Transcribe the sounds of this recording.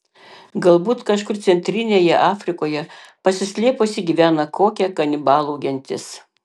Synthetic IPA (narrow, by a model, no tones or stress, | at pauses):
ɡɐlˠbuːt̪kɐʃkʊɾt̪sʲɛnʲt̪ʲɾʲɪnʲeːjɛʔɑːfʲɾʲɪkoːjɛ | pɐsʲɪsʲlʲeːposʲɪɡʲiːʋʲæːnɐkoːkʲɛkɐnʲɪbɑːlˠɐʊɡʲɛnʲt̪ʲɪs